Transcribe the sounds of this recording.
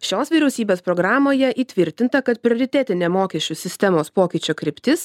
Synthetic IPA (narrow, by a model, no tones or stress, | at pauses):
ʃʲoːsʋʲiɾʲɛʊsʲiːbʲeːspɾoːɡɾɑːmoːjɛʔiːt̪ʲʋʲɪɾʲt̪ʲɪnt̪ɐkɐt̪pʲɾʲɪoːɾʲɪt̪ʲɛt̪ʲɪnʲeːmoːkʲɛʃʲt͡ʃʲʊsʲɪsʲt̪ʲɛmoːspoːkʲɪt͡ʃʲoːkɾʲɪpʲt̪ʲɪs